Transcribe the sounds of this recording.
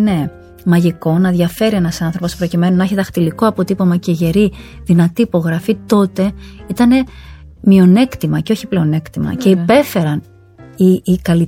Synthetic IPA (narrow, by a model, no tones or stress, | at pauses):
ne̞ | mɐʝiko̞nɐðʝɐfe̞ɾie̞nɐsɐnθɾo̞po̞spɾo̞cime̞nonɐeçit̪ɐxt̪iliko̞ɐpo̞t̪ipomɐceʝe̞ɾiðinɐt̪iːpo̞ɣɾɐfit̪o̞t̪e̞it̪ɐne̞ | mio̞ne̞kt̪imɐceo̞çi̥ple̞o̞ne̞kt̪imɐ̰ce̞ipe̞fe̞ɾɐn | iːkɐli